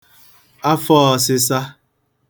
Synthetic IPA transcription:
a˦fɔ˦ɔ˨sɪ˦sa˦

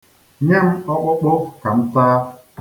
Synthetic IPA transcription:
ɲe˦m̩˦ɔ˦k͡pʊ˦k͡pʊ˦ka˨m̩˦taː˦

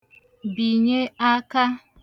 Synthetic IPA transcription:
bi˨ɲe˦a˦ka˦

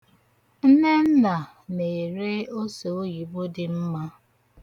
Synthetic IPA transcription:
n̩˦ne˦n̩˦na˨ | ne˨e˨ɾe˦o˦se˨o˦ji˨bo˦dɪ˨m̩˦ma˦

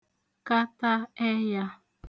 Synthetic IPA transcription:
ka˦ta˦ɛ˦ja˦

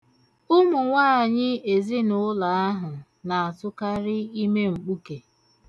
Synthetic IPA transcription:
ʊ˦mʊ˨ŋʷaː˦a˨ɲɪ˦e˨zi˦nʊ˦la˨a˦ɦʊ˨ | na˨a˨tʊ˦ka˦ɾɪ˦i˦me˦ŋ͡m̩˨k͡pu˦ke˨

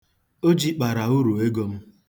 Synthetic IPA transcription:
o˦d͡ʒi˦k͡pa˨ɾa˨u˦ɾu˨e˦ɡo˦m̩˦

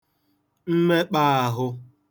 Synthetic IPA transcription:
m̩˦me˦k͡pa˦˨a˨ɦʊ˦

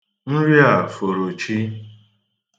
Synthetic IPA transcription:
n̩˦ɾja˨fo˨ɾo˨t͡ʃi˦

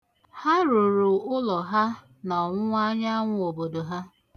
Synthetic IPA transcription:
ha˦ɾu˨ɾʊ˨ʊ˦lɔ˨ɦa˦ | nɔ˨ŋʷʊ˦ŋʷa˦ɲa˦ŋʷʊ˦o˨bo˨do˨ɦa˦

